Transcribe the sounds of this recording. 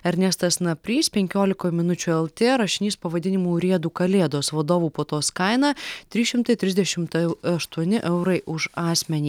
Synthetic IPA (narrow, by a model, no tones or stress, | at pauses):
ɐɾʲnʲɛst̪ɐsnɐpʲɾʲiːspʲɛŋʲkʲoːlʲɪkoːmʲɪnʊt͡ʃʲuːɛlˠt̪ʲeːɾɐʃʲɪnʲiːspɐʋɐd̪ʲɪnʲɪmuːɾʲiɛd̪uːkɐlʲeːd̪oːsʋɐd̪oːʋuːpoːt̪oːskɐɪnɑːt̪ʲɾʲiːʃʲɪmt̪ɐɪt̪ʲɾʲɪzd̪ʲɛʃʲɪmt̪ɛʊɐʃt̪uɔnʲɪʔɛʊɾɐɪʔʊʃɑːsʲmʲɛnʲiː